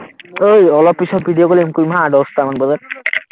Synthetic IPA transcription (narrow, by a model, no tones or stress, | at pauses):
ojɔlɔpːisʰɔt̚bʱiɖijokolimkumɦãɖɔstamanbɔza